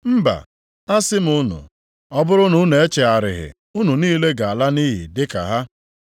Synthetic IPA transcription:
m̩˦ba̰˨ | a˦sɪ˦m̩˨ʊ˦nʊ̰˨ | ɔ˦bʊ˦ɾʊ˦nʊ˦n˨e˦t͡ʃe˨a˨ɾɪ˨ɦɪ̰˨ | ʊ˦nu˨niː˦le˦ɡa˨a˨la˦ni˦ɦḭ˨dɪ˦ka̰˨ɦa˦

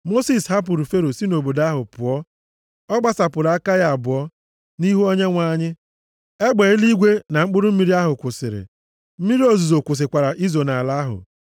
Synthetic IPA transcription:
mo˦si˨sha˦p̬ʊ˨ɾu˨fe˦ɾo˨si˦no˨bo˨da˦ɦʊ˨pʊ˨ɔ˦ | ɔ˦ɡ͡ba˦sa˨pʊ˨ɾa˦ka˦ja˨a˨bʊ˨ɔ˦ | ni˦ɦu˦o˦ɲe˦ŋʷa˦ɲɪ˦ | e˦ɡ͡be˨ɪ˦li˦ɡʷe˦na˨ŋ͡m̩˦k͡pʊ˦ɾʊ˦m̩˦mi˦ɾi˦a˦ɦʊ˨kʷʊ˨sɪ̰˨ɾɪ̰˨ | m̩˦mi˦ɾi˦o˦zu˨zo˨kʷʊ˨s̬ɪ˨kʷa˨ɾa˨ʔi˦zo˨na˨la˦ɦʊ̰˨

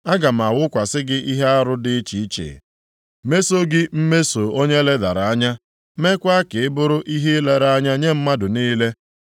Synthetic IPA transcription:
a˦ɡa˨m̩˨a˨wʊ˦kʷa˨sɪ˦ɡɪ˦ʔi˦ɦe˦a˦ɾʊ˦dɪ˦t͡ʃi˨i˦t͡ʃḛ˨ | me˦so˦ɡɪ˦m̩˦me˦so˨o˦ɲe˦le˦da˨ɾa˨a˦ɲa˦ | me˦kʷa˦kɪ˨ɪ˦bʊ˦ɾʊ˦ʔi˦ɦe˦le˦ɾa˦a˦ɲa˦ɲe˦m̩˦ma˦dʊ˨niː˦le˦

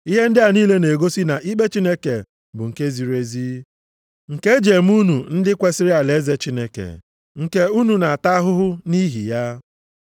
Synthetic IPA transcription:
i˦ɦe˦n̩˦dɪ˦a˨niː˦le˦ne˨ɡo˦si˦na˨ʔi˦k͡pe˦t͡ʃi˦ne˦kḛ˨ | bʊ̰˨ŋ̩˨ke˦zi˨ɾe˦zi˦ | ŋ̩˨ke˦d͡ʒe˨m̩˦u˦nu˨n̩˦dɪ˦kʷe˦sɪ˦ɾɪ˦a˨le˨˦ze˦t͡ʃi˦ne˦kḛ˨ | ŋ̩˨ke˦u˦nu˨na˨a˨ta˦ɦʊ˦ɦʊ˦ni˦ɦḭ˨ja˦

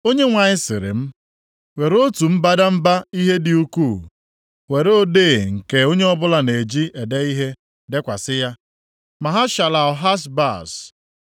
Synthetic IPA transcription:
o˦ɲe˦ŋʷa˨ɲɪ˦sɪ̰˨ɾɪ̰˨m̩˦ | we˨ɾo˦tu˨m̩˦ba˦da˦m̩˦ba˦i˦ɦe˦dɪ˨u˦ku˦˨ | we˨ɾo˦o˦de˦˨ŋ̩˨ke˨o˦ɲe˦ɔ˦bʊ˦la˨ne˨d͡ʒi˦ʔe˨de˦i˦ɦe˦ | de˦kʷa˨sɪ˦ja˦ | ma˨ɦa˦ʃa˨la˨ɔ˨ɦa˦sba̰˦˨s

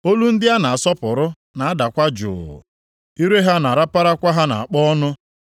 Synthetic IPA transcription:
o˦lu˦n̩˦dɪ˦a˦na˨a˨sɔ˦pʊ˨ɾʊ˦ | na˨a˦da˨kʷa˦d͡ʒʊ̰ː˨ | i˦ɾe˦ɦa˦na˨ɾa˦pa˦ɾa˦kʷa˦ɦa˦na̰˨a˨k͡pɔ˦nʊ˦

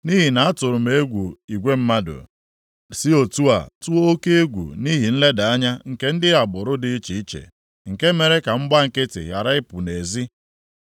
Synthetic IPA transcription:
ni˦ɦi˨na˨a˦tʊ˨ɾʊ˨me˦e˦ɡʷu˨i˨ɡʷe˦m̩˦ma˦dʊ̰˨ | si˦o˨tu˦a̰˨tu˦o˦o˦ke˦e˦ɡʷṵ˨ni˦ɦi˨n̩˦le˦da˨a˦ɲa˦ŋ̩˨ke˦n̩˦dɪ˦a˨bʊ˨ɾʊ˦dɪ˦i˦t͡ʃi˨i˦t͡ʃḛ˨ | ŋ̩˨ke˦me˨ɾe˦ka˨m̩˦ɡ͡ba˦ŋ̩˨kɪ˦tɪ̰˨ɦja̰˨ɾa˦ɪ˦pʊ˨ne˨zi˦

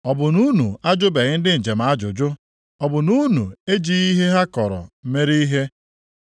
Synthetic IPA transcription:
ɔ˨bʊ˨nu˦nu˨a˦d͡ʒʊ˦be˨ɲɪ˦n̩˦dɪ˦n̩˨d͡ʒe˨m̩˨a˦d͡ʒʊ˨d͡ʒʊ˦ | ɔ˨bʊ˨nu˦nṵ˨e˦d͡ʒi˨i˦ɦe˦ɦa˦kɔ˨ɾɔ̰˨˦me˦ɾi˦ɦe˦

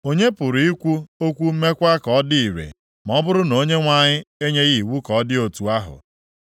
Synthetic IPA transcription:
o˦ɲe˦pʊ˨ɾi˦kʷu˦o˦kʷu˦m̩˦me˦kʷa˦kɔ˨˦dɪ˦i˨ɾḛ˨ | m˨ɔ˦bʊ˦ɾʊ˦no˦ɲe˦ŋʷa˨ɲɪ˦e˦ɲe˦ɣi˨wu˦kɔ˨˦dɪ˦o˨tu˨a˦ɦʊ̰˨

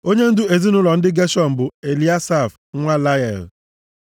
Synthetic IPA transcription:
o˦ɲe˦n̩˦dʊ˦e˨zi˦nʊ˦lɔ˨n̩˦dɪ˦ɡe˦ʃɔ˦m̩˨bʊ˨e˨li˦a˦sa˦˨fŋʷa˦la˦ɛ̰˨l

